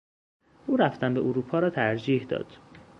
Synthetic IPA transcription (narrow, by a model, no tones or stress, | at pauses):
ʔuːɾæft̪æmbeʔoɾuːpʰɒːɾɒːt̪ʰæɾd͡ʒiːhd̪ɒ̰ːd̪̥